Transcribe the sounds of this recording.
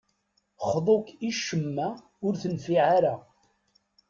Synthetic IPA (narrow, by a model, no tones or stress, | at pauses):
χðˤokiʃəmːa | ʊɾθənfiʕaɾa